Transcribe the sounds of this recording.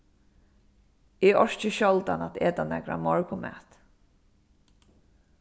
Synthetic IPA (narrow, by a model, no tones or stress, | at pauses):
ɪɔɹt͡ʃɪʃɔlt̪anat̪eːt̪anɛkɹa̰mɔɹkʊmɛ̰t̪